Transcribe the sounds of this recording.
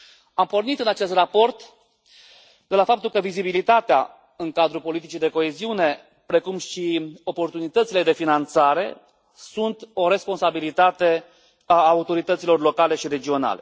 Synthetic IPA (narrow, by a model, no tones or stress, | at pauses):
ampo̞rnit̪ɨnat͡ʃe̞st̪rapo̞rt̪ | d̪e̞lafap̚t̪ulkəvizibilit̪at̪ea | ɨŋkad̪ɾupo̞lit̪̬it͡ʃid̪e̞ko̞eziune̞ | pɾe̞kumʃio̞po̞rt̪unit̪ət̪siled̪e̞finant̪saɾe̞̰ | sunt̪o̞ɾe̞spo̞nsabilit̪at̪e̞ | aut̪o̞ɾit̪ət̪silo̞rlo̞kale̞ʃiɾe̞d͡ʒio̞na̰le̞̰